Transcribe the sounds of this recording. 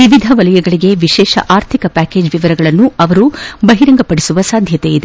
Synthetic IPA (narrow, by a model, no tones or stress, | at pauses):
ʋiʋid̪ʱɐʋɐlɐjɐɡɐɭiɡe̞ʋiʃɛːʃɐ̰ʔaːɾt̪ʰikɐpæːke̞ːd͡ʒʋiʋɐɾɐɡɐɭɐnːuɐʋɐɾubɐɦiɾɐŋɡɐpɐɽisuʋɐsaːd̪ʱjɐt̪eid̪e